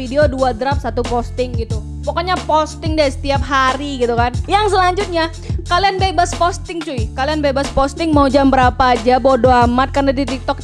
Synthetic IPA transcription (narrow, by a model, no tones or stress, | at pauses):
ideoduad̪ɾap̚sat̪upost̪ɪŋɡit̪u | pokoɲapost̪ɪŋdasə̥t̪iap̚ɦaɾiɡit̪ukanjaŋsəlaɲd͡ʒʊt̪̚ɲa | kalianbebaspɔst̪ɪŋt͡ʃuɪkalianbebaspɔst̪ɪŋmaud͡ʒambəɾapaːd͡ʒabodoamat̪̚karnadit̪ik̚t̪ɔk̚